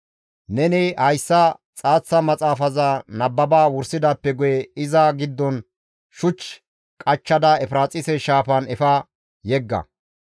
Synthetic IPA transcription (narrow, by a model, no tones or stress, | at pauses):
nɛnɪhɐjsːɐt͡sʼaːt͡sːɐmɐt͡sʼaːfɐzaːnɐbːɐbaːwʊɾsɪd̪ɐpːɛɡʊjɛɪzɐɡɪd̪ːɔn | ʃʊt͡ʃː | kʼɐt͡ʃːɐd̪ɐɛfɾaːt͡sʼɪsɛʃaːpɐnɛfɐ | jɛɡːɐ̰